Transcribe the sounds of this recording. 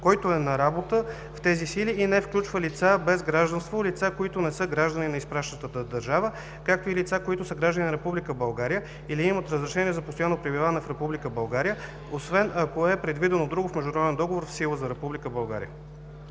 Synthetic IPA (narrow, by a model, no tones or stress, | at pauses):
kɔjt̪oɛnɐɾabot̪ə | ft̪ɛzisiliʔːnɛfklʲut͡ʃvəlit̪sabɛzɡɾaʒd̪ənst̪volit̪sakoit̪onɛsɤɡɾaʒd̪əninɐispɾaʃnət̪ət̪əd̪ɐɾʒavə | kak̚t̪oilit̪sakoit̪ʊsəɡɾaʒd̪əninɐɾɛpublikəbɐlˠɡaɾijə | iliimət̪ɾəzɾɛʃɛniɛzɐpost̪ojanːopɾibivanɛfɾɛpublikəbɐlˠɡaɾijə | osvɛnʔɐkoɛpɾɛd̪vid̪ɛnod̪ɾuɡofmɛʒd̪nɐɾɔd̪ɛnd̪ɔɡovoɾfsilˠəzɐɾɛpublikəbɐlˠɡa̰ɾḭə̰